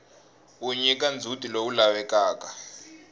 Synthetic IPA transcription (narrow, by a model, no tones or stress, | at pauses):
uɲɛk̬ʼand͡zʱutʼiloulawɛkaːka